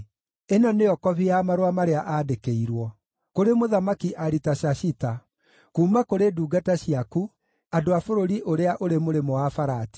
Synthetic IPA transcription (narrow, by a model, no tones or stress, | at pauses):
enɔneɔkɔβiamaɾwamaɾeaʔadekeiɾwɔ | koɾemoðamakiʔaɾitaɕaʃita | kuːmakoɾeduːɡataɕiaku | adoafoɾoɾiʔoɾeaʔoɾemoɾemɔwafaɾaːti̥